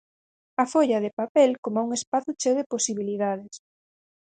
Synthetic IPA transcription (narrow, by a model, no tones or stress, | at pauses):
ɐfoʎɐð̞epapɛlkomauŋespaθut͡ʃeðeposiβiliðaðes